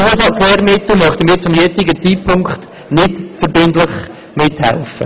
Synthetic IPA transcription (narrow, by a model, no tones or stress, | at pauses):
osɑlseːɾmɪtːəmœχtənmiːɾt͡sʊmjɛt͡sɪɡət͡siːt̚pʰʊŋkχt | nɪtfəɾbɪntlɪχ | mɪthɛ̰lfə̰